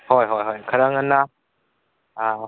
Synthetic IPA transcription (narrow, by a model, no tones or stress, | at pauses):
hɔjɦɔjɦɔjkʰaɾaŋənːa | a